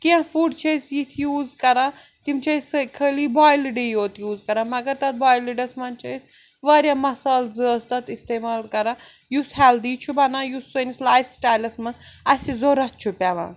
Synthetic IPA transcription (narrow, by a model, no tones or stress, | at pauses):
kiãfuːɖt͡ʃʰɐjsjit̪ʰjuːzkɐɾa | t̪imt͡ʃʰɐisɨkʰəlibaːjliɖijoːt̪juːzkɐɾãmɐɡɐɾt̪ɐt̪̚baːjliɖɐsmɐnt͡ʃʰɐis | ʋɐɾʲamɐsaːlzəːst̪ɐt̪ist̪eːmaːlkɐɾa | jusɦɛld̪iːt͡ʃʰubɐnaːjusːonislaːjfsʈaːjlɐsmɐnɐsizoɾɐt̪̚t͡ʃʰupʲaʋã̰ː